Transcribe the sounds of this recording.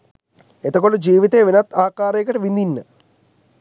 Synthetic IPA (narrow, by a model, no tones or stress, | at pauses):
et̪ɐkoɭud͡ʑiːʋit̪eːʋinɐt̪ːaːkːaːɾejkːɐʈɐʋind̪inːɨ